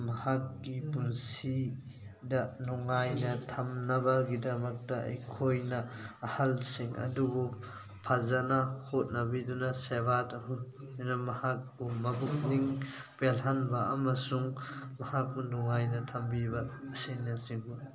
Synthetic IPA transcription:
mɐhakːipunsi | dɐnɔŋajnɐtʰɐmnɐbɐɡidɐmɐk̚tɐɐ̰jkʰojnɐːhɐlsiŋɐ̰dubu | pʰazɐnɐhot̚nɐbidunɐsebatɐɦu | nɐmɐhak̚bumɐbuk̚niŋpelɦanbɐɐ̰mɐsuŋmɐhak̚bunɔŋajnɐtʰɐmbibɐːsinːɐsiŋbu

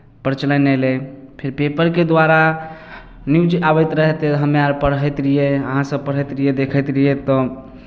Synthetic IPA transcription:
pəɾt͡ʃələnɛlepʰeɾpepəɾked̪waɾa | niud͡ʒabɛjt̪ɾəɦɛt̪eɦəmjaɾpəɾɦət̪ɾijeəɦãsəb̚pəɽɦət̪ɾijed̪ekʰət̪ɾəjet̪ɔ

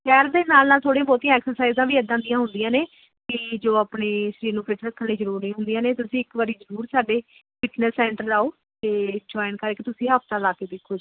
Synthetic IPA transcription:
ʃʰɛːɾd̪eːnaːlnaːlt̪ʰoːɽẽãːbɔːt̪ijãːɛːksəɾsaːɪzd̪ãːʋiːəd̪ãːnd̪ijãːɦʊnd̪ɪjãːneː | kɪd͡ʒoːaːpneːʃəɾiːɾnũːpet͡ʃɾəkʰːənneːzəɾuːɾnĩːɦʊ̃nd̪ijãːneːt̪ʊsĩːɪkʋaːɾiːzəɾuːɾsaːɖeː | pɪʈnəsːɛ̃ːɳʈəɾaːoː | t̪eːd͡ʒɔːɪnkəɾeːkit̪ʊsĩːɦəːft̪aːlaːkeːd̪ekʰːoːd͡ʒ

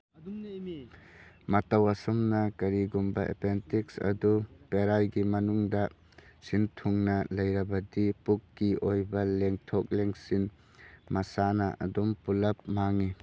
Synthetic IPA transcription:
mɐtɐwɐsumnɐkɐɾiɡumbɐʔḛpentiksɐ̰dupeɾajɡimɐnuŋdɐ | sintʰuŋnɐlɐjɾɐbɐdipukːiʔojbɐleŋtʰok̚leŋsin | mɐsanɐʔɐ̰dumpulɐp̚maŋi

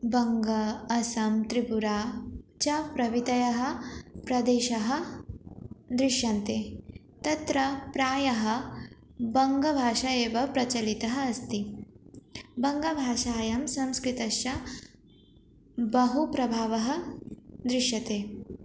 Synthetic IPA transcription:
bɐŋɡɐːsɐmt̪ɾibuɾaːt͡ʃɐpɾɐʋit̪ɐjɐɦɐ̆pɾɐd̪eːʃɐɦɐ̆ | d̪ɾɪʃjɐnt̪eː | t̪ɐt̪ɾɐpɾaːjɐɦɐ̆ | bɐŋɡɐbʱaːʂɐeːʋɐpɾɐt͡ʃɐlit̪ɐɦɐːst̪i | bɐŋɡɐbʱaːʃaːjɐmsɐ̃mskɾit̪ɐʃjɐ | bɐɦupɾɐbʱaːʋɐɦɐ̆d̪ɾɪʃjɐt̪eː

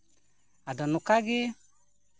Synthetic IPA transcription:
adanukaɡɪ

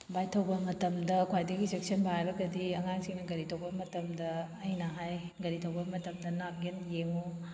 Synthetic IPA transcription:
bajtʰɐwbɐmɐtɐmdɐkʰwajdɐɡisek̚sɐnbaajbɐɡɐdiɐŋaŋsiŋnɐɡɐɾitʰɐwbɐmɐtɐmdɐː | jnɐɦajɡɐɾitʰɐwɡɐmɐtɐmdɐnap̚ɡenjeŋu

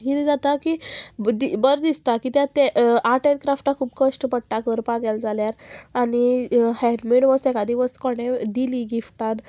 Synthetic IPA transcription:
ɦit̪ed͡zat̪akid̪ibəɾd̪ist̪akit̪jat̪ɛaʈeɾkɾafʈakʰuːbkəʂʈpəʈːakəɾpaɡjald͡zaljaɾaɽ̃ihɛɾmiɽʋəsɛkad̪iʋəskɔɽ̃ed̪iliːɡifʈat̪

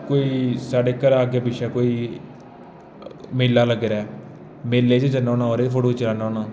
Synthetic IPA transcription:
koːiːsaːɖeːkəɾaːɡebiʃaːkoːiː | meːlːaːləɡɾɛː | meːlːeːt͡ʃed͡ʒənãːnãːɦoːɾeːfʰoɽoːt͡ʃəlaːnaːnaː

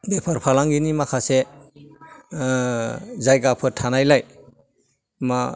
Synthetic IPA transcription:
bepʰaɾpʰalaŋɡinimakʰase | zajɡapʰɯtʰanajlaj | ma

